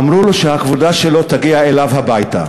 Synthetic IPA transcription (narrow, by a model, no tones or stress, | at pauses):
amɾuloʃehakvod̪aʃelo̞t̪aɡiaelavhabajt̪a̰